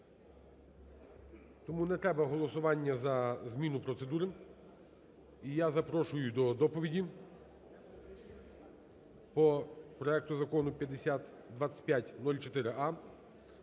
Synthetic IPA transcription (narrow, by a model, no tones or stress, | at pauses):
t̪ɔmunɛt̪ɾɛbɐɦɔlˠɔsʊʋɑnʲːɐzɐzmʲinʊpɾɔt̪sed̪uɾɪ | ijazɐpɾɔʃʊjʊd̪ɔd̪ɔpɔʋʲidʲi | pɔpɾɔɛk̚t̪ʊzɐkɔnʊpʲjɐd̪esʲat̪ | d̪ʋɑt͡sʲːɐ̥tʲpʲjatʲnɔlʲt͡ʃɔt̪ɪɾɪʔɑ